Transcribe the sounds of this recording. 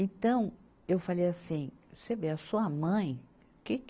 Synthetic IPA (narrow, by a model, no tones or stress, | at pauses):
ẽt̪ɐ̃w̃ | ewfalejasĩsebeɐsuɐmɐ̃j̃ | kɪk